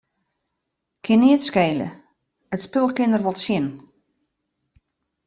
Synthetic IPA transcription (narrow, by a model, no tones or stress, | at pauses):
kʰɪniətskeːlə̰ | ətspølˠkɪnərʋɔlˠsjɪn